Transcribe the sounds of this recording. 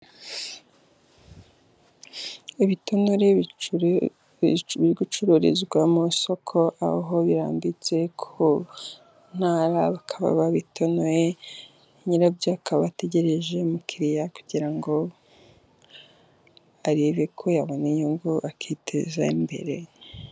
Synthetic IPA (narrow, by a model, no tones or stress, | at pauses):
iβitonoɾe | βiɾɡut͡ʃuɾoɾḛzɡwamuso̞kʰo̞ʔa̰o̰ɦoβiɾa̰ːmbit͡se̞kʰo | n̥aɾaβakʰaβa̰βaβitʰonoje | ɲiɾabjakaββate̞ɟe̞ɾe̞ʒe̞mukʰiɾijakuɟiɾaŋɡo̞ | aɾiβekʰo̞jaβonejuŋɡuʔakʰitʰḛzaimbe̞̰ɾe̞̰